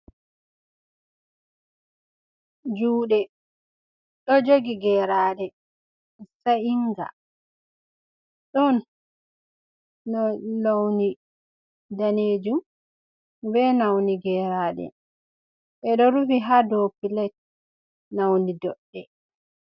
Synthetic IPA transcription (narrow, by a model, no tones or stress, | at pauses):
d͡ʒuːɗɛ | ɗɔd͡ʒoɡiɡɛɾaːɗɛ | saiŋɡa̰ | ɗɔn | ɔnawni | daned͡ʒum | bɛnawniɡɛːɾaːɗɛ̰ | ɓɛɗɔɾufiɦadopilɛt̚ | nawnidɔɗːɛ